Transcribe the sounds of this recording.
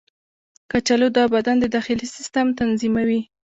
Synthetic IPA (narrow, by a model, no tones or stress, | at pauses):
kat͡ʃalod̪ɑbad̪and̪əd̪ɑxɪlisɪst̪amt̪anzimawi